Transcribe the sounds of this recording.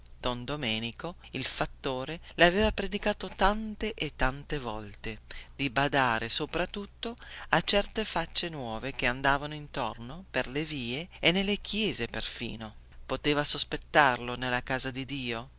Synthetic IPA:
d̪̥ond̪omɛːniko | ilfat̪ːoːɾelaveːvapɾed̪ikaːt̪ot̪ant̪eʔet̪ːant̪evɔ̰lt̪ed̪̥ibad̪aːɾesopɾat̪ːut̪ːoat͡ʃːɛrt̪efat͡ʃːenwɔːvek̟eand̪aːvanoint̪ornoperleviːeenːelːek̟jɛːzeperfḭːno | pot̪eːvasospet̪ːarlonelːakaːzad̪id̪iːo

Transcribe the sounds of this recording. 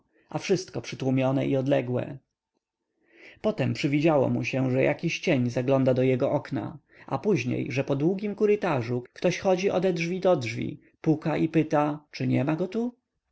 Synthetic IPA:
ʔafʂɘst̪̚kɔpʂɘt̪wumʲjɔnɛ̰ʔiɔd̪lɛɡwɛ̰ | pɔt̪ɛmpʂɘvʲid͡ʑawɔ̰muɕɛʐɛjʔakʲiɕt͡ɕeɲzaɡlɔnd̪ad̪ɔjɛɡɔʔɔkna̰ | apuʑɲḛjʐɛpɔd̪wuɡʲimkuɾɘt̪aʐukt̪ɔɕxɔd͡ʑiʔɔd̪ɛd̪ʐvʲid̪ɔdʐvʲḭ | pukaʔipɘt̪at͡ʂɘɲɛmaɡɔt̪u

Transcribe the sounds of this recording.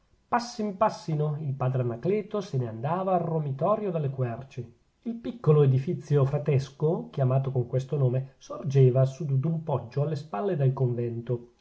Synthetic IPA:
pasːimpasːinoilpaːd̪ɾeanakleːt̪oseneand̪aːvaːrːomit̪ɔːɾjod̪alːekwɛrt͡ʃe | ilpikːoloed̪ifit̪sːjofɾat̪ɛskok̟jamaːt̪̬okoŋkwest̪onoːmesord͡ʒeːvasud̪ud̪umpɔd͡ʒːoalːespalːed̪elkoɱvɛnt̪o

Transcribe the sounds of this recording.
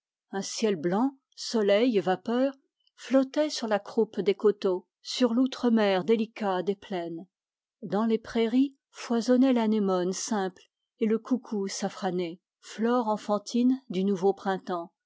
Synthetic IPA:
ɛ̃sjɛlblɑ̃ | sɔlɛjvapœːʁ | flɔt̪ɛsyʁlakχupd̪ekot̪o | syʁlut̪χəmɛʁd̪elikad̪eplɛn | d̪ɑ̃lepχeʁi | fwazɔnɛlanemɔnsɛ̃pl | eləkukʰusafχane | flɔʁɑ̃fɑ̃t̪ʰind̪ynuvopχɛ̃t̪ɑ̃

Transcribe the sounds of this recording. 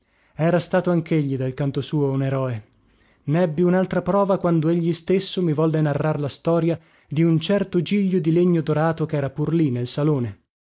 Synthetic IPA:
ɛːɾast̪aːt̪oaŋk̟eʎːid̪alkant̪osuːouneɾɔːe | nɛbːiunalt̪ɾapɾɔːvakwand̪oeʎːist̪esːomivɔlːenarːarlast̪ɔːɾja | d̪iunt͡ʃɛrt̪od͡ʒiʎːod̪ileɲːod̪oɾaːt̪okɛːɾapurlinelsaloːne

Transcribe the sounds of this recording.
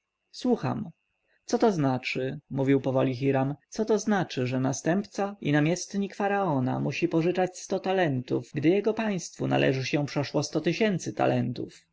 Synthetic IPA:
swuxa̰m | t̪sɔt̪ɔznat͡ʂɘmuvʲiwpɔvɔlʲixiɾamt̪sɔt̪ɔznat͡ʂɘʐɛnast̪ɛmpt̪sainamʲjɛst̪ɲikfaɾaɔna̰muɕipɔʐɘt͡ʂat͡ɕst̪ɔt̪alɛnt̪ufɡd̪ɘjɛɡɔpaj̃st̪funa̰lʔɛ̰ʐɘɕɛ̃pʂɛʂwɔst̪ɔt̪ɘɕɛnt̪sɘt̪a̰lɛnt̪ṵf

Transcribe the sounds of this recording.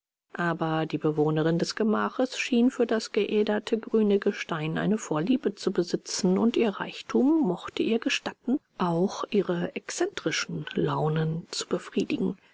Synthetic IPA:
ʔaːbɐdiːbəvoːnəʁɪndɛsɡ̥əmaːχəsʃiːnfyːɐdasɡ̥əʔɛːdɐtʰəɡʁyːnəɡəʃtaɪnʔa̰ɪnəfoːɐliːbət͡subəzɪt͡sn̩ʊntʔiːɐʁa̰ɪçtʰuːmːɔχtəʔiːɐɡəʃtatn̩ | ʔaʊxʔiːʁəʔɛksɛntʁ̥ɪʃn̩laʊnənt͡su̥bəfʁ̥iːdɪɡŋ̩

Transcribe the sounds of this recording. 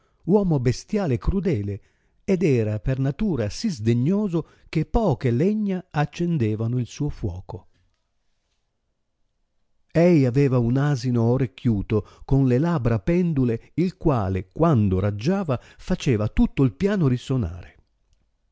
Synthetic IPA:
wɔːmobest̪jaːlekɾud̪ɛːle | ed̪ɛːɾapernat̪uːɾasizd̪eɲːoːzo | k̟epːɔːkelɛɲːaat͡ʃːend̪ɛːvanoilsuːofwɔːko | ɛjavɛːvaunaːzinooɾekʰːjuːt̪okonlelabɾapɛnd̪uleilkwaːlekwand̪oɾad͡ʒːaːvafat͡ʃeːvat̪ut̪ːoilpjaːnoɾisona̰ːɾe

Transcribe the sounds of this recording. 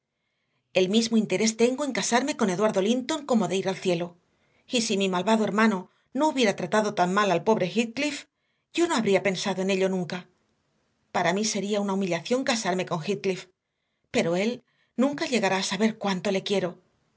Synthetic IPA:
e̞lmizmoint̪e̞ɾe̞st̪e̞ŋɡo̞e̞ŋkasaɾme̞ko̞ne̞ðwaɾðo̞lint̪o̞ŋko̞mo̞ðe̞iɾalθje̞lo̞ | isimimalβaðoeɾmãno̞ | no̞uβje̞ɾat̪ɾat̪aðo̞t̪aŋmalalpo̞βɾe̞xit̪̚klif | ɟ͡ʝo̞no̞aβɾiape̞nsaðo̞e̞ne̞ʎo̞nũŋka | paɾamise̞ɾiaunaumiʎaθjo̞ŋkasaɾme̞ko̞ŋxit̪̚klif | pe̞ɾo̞e̞l | nũŋkaʎe̞ɣaɾaːsaβe̞ɾkwant̪o̞le̞kje̞ɾo̞

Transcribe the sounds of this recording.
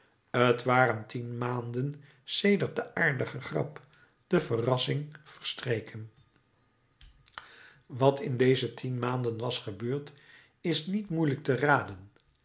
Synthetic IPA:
ətʋaːrəntʰinmaːndən | sejdəɹt̚dəʔaːɹdəχəχrɑ̰p | d̥əvərɑsɪŋv̥əɹstrejkʰən | ʋɑtʰɪndejzətʰinmaːndənʋɑsχəbøːɹt | ɪsnitmujlək̚təraːdən

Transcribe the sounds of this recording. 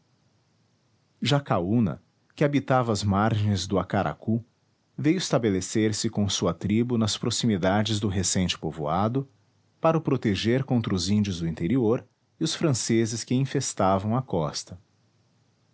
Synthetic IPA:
ʒakaunɐ̰ | kɪabit̪avɐːzmaɾʒẽj̃zd̪ʊakaɾʔa̰ku | vejʊɪst̪abeleseɾsɪkõsuɐt̪ɾibʊnɐspɾosimid̪ad͡ʒɪzd̪ʊɦesẽnt͡ʃɪ̥povoad̪ʊ | paɾɐʊpɾot̪eʒeɾkõnt̪ɾɐʊzĩnd͡ʒʊzd̪ʊĩnt̪eɾioɾ | ɪʊsfɾɐ̃sezɪskɪĩfest̪avɐ̃w̃ɐkɔst̪ɐ

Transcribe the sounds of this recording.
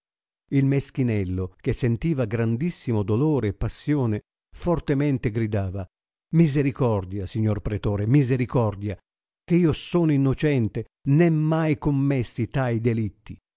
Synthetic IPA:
ilmesk̟inɛlːok̟esːent̪iːvaɡɾand̪isːimod̪oloːɾeːpːasːjɔːne | fort̪emɛnt̪eɡɾid̪aːva | mizeɾikɔrd̪jasiɲːorpɾet̪oːɾemizeɾikɔrd̪ja | keiːosoːnoinːot͡ʃɛnt̪e | nɛmːajkomːɛsːit̪ajd̪elit̪ːi

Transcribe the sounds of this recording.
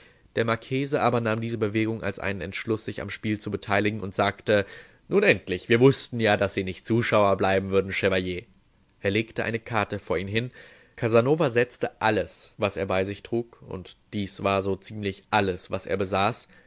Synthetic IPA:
d̥eːɐmaɐkʰeːzəʔaːbɐnaːmdiːzəbəveːɡʊŋʔa̰lsʔa̰ɪnənɛ̰ntʃlʊsz̥ɪça̰mʃpiːlt͡subətʰaɪlɪɡŋ̩ʔʊntz̥aːktə | nuːnʔɛntlɪçv̥iːɐvʊstn̩jaːdasz̥iːnɪçtt͡suːʃaʊɐblaɪbm̩vʏɐdn̩ʃɛvajeː | ʔeːɐleːktəʔa̰ɪnəkʰaɐtəfoːɐʔiːmɦɪn | kʰazanoːvazɛt͡stəʔaləsvaseːɐbaɪzɪçtʁ̥uːkʊ̰ntd̥iːsv̥aːɐzoːt͡siːmlɪçʔaləsv̥asʔḛːɐbəzaːs

